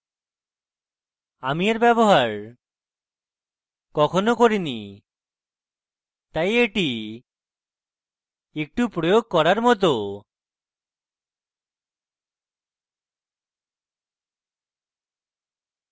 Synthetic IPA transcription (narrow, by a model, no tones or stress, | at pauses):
amiaɾbɛboɦaɾ | kɔkʰonokoɾini | t̪ajeʈi | ek̚ʈupɾojoɡ̚kɔɾaɾmɔt̪̬o